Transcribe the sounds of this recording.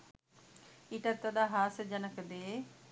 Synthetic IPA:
iʈɐt̪ːɐd̪aːɦaːsəd͡ʒɐnəkəd̪e

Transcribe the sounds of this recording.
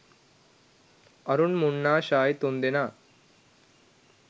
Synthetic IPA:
ɐɾunmuɳːaːɕaːjt̪ond̪enaː

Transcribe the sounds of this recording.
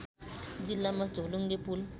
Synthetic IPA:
d͡ʒilamḁd͡ʒɔloŋɡepul

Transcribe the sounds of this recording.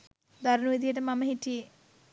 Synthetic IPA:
d̪ʱɐɾnuʋid̪ijeɐʈɐmɐmɐɦiʈːije

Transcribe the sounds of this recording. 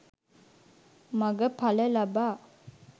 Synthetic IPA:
maɡəpaləlabaː

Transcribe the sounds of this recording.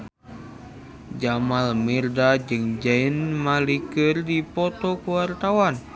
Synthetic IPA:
d͡ʒamalmirdad͡ʒɨŋd͡ʒainmalikɨrdipɔt̪ɔkuwart̪awan

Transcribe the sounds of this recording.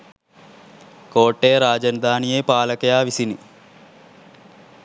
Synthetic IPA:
koːʈːeːɾaːd͡ʒɐnɐd̪ʱaːnijeːpaːlɐkɐjaːʋisini

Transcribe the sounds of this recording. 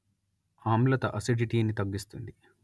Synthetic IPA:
aːmlɐt̪ɐʔɐsiɖiʈiɐnit̪ɐɡːist̪und̪i

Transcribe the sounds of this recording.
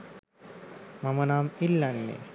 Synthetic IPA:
mamənaːmilːanːḛ

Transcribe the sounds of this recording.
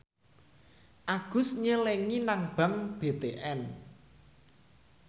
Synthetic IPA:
ʔaɡ̥ʊ̤sɲəleŋinaŋb̥a̤ŋb̥et̪eʔɛn

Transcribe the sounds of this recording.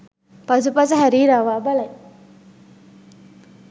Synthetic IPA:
pɐs̬upɐsɐɦɐɾiːɾaːʋaːbɐlɐj

